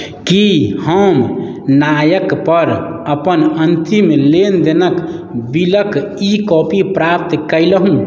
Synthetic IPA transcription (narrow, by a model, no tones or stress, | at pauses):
kihəmnajəkpəɾ | əpənənt̪imelend̪enək | biləkikɔpipɾap̚t̪kəjləɦũ